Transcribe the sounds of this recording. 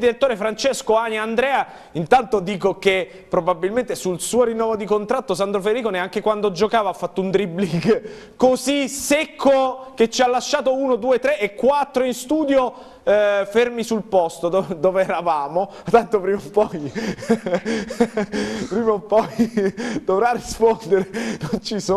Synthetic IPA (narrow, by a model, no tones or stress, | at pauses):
d̪iɾet̪ːoːɾefɾant͡ʃeskoaniand̪ɾɛːa | int̪ant̪od̪iːkoke | pɾobabilment̪esulsuːoɾinːɔːvod̪ikont̪ɾat̪ːosand̪ɾoferːikoːneaŋk̟ekwand̪od͡ʒokaːvaafːat̪ːount̪ɾibliɡ | kozisekʰːoket͡ʃːialːaʃːaːt̪ouːnod̪uːet̪ɾeʔːkːwat̪ːɾoinst̪uːd̪jo | fermisulpɔst̪od̪d̪oːveɛɾavaːmo | t̪ːant̪opɾiːmampɔj | pɾiːmoumpɔjd̪̥ovɾarispond̪eɾenont͡ʃiso